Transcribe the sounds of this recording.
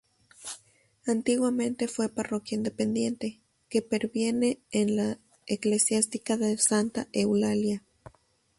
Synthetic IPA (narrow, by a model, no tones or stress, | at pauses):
ant̪iɣwamẽnt̪efweparokjaind̪epend̪jent̪e | kepeɾbjeneːnla | eklesjast̪ikaðesant̪aʔewlalja